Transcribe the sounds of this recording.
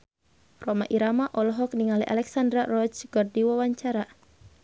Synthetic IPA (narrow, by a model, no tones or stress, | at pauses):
rɔmaʔiɾamaʔɔlɔɦɔk̚niŋaliʔa̰lɛksandɾarɔd͡ʒɡ̥ɔrdiwawaɲt͡ʃaɾa